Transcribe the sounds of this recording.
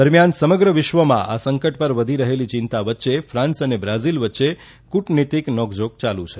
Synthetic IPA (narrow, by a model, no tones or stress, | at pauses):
əɾmjansəməɡɾəʋɪʃʋəmã̰ʔasə̃ŋkəʈpəɾʋəd̪ʱiɾəɦelit͡ʃɪ̃nt̪aʋətːʃefʰɾãnsənebɾazilʋətːʃe | kuʈnit̪iknɔɡd͡ʒok̚t͡ʃalṵ̃t͡ʃʰe